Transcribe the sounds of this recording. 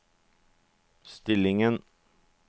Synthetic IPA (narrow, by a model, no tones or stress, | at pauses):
st̪ɪlɪŋən